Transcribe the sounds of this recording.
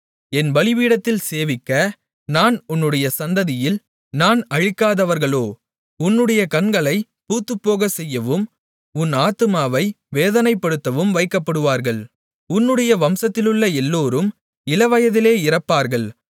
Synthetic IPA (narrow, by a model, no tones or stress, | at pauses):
ɛnʋɐlɪʋiːɽɐt̪ːɪlseːʋɪkːɐ | naːnʊnːɯɽɐjɐsɐnd̪ɐðɪjɪl | naːnɐɻɪkːaːðɐʋɐɾɣɐɭoː | ʊnːɯɽɐjɐkɐnɡɐɭɐɪ | puːt̪ːɯpːoːɣɐsɛjːɐʋɯm | ʊnaːt̪ɯmaːʋɐɪ | ʋeːðɐnɐɪpːɐɽɯt̪ːɐʋɯmʋɐɪkːɐpːɐɽɯʋaːɾɣɐɭ | ʊnːɯɽɐjɐʋɐmsɐt̪ːɪlɯɭːɐɛlːoːɾɯm | ɪlɐʋɐjɐðɪleːɪɾɐpːaːɾɣɐɭ